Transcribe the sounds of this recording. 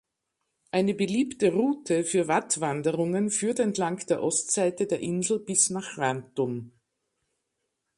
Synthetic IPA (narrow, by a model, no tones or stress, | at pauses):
ʔaɪnəbəliːptəʁuːtʰəfyːɐvatv̥andəʁʊŋənfyːɐtɛntlaŋkd̥eːɐʔɔstz̥aɪtədeːɐʔɪnzl̩bɪsnaːχʁantʊm